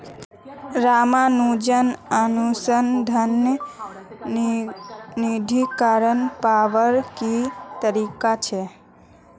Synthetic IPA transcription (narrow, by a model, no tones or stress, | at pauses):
ɾamãnũd͡ʒənənusənd̪ʱən | nid̪ʱikaɾənpaʋəɾkit̪əɾikat͡ʃʰe